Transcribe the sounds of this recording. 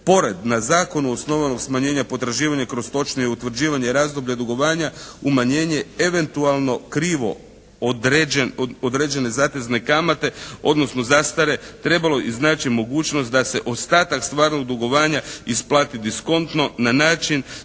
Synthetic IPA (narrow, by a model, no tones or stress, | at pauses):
po̞ɾe̞d̪nazaːko̞nuosno̞ʋano̞ɡsmaɲe̞ːɲapo̞t̪ɾaʒiːʋaɲakɾo̞st̪o̞t͡ʃnijeut̪ʋr̩d͡ʑiːʋaɲeɾaːzd̪o̞bʎad̪uɡo̞ʋaːɲaumaɲe̞ːɲeeʋe̞nt̪ualˠno̞kɾiːʋo̞̰ | d̪ɾeod̪ɾe̞ːd͡ʑe̞ne̞zaːt̪ezne̞kamat̪e̞o̞̰d̪no̞snozast̪aɾe̞t̪ɾe̞balo̞ʔiznaːt͡ʃimo̞ɡuːt͡ʃnost̪d̪ase̞ʔo̞st̪aːt̪akst̪ʋaːɾnoɡ̚d̪uɡo̞ʋaːɲaisplˠaːt̪id̪isko̞nt̪no̞nanaːt͡ʃin